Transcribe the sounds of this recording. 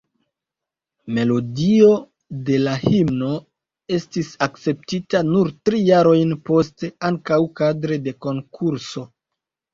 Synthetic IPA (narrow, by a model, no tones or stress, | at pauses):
me̞lo̞dio̞ | de̞lahimno̞ | e̞stisak̚t͡se̞p̚titanuɾtɾijaɾo̞jnpo̞ste̞aŋkawkadɾe̞de̞ko̞ŋkʰuɾso̞